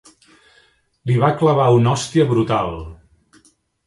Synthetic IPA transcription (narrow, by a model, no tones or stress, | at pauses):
liβakləβ̞aunɔst̪iəβɾut̪alˠ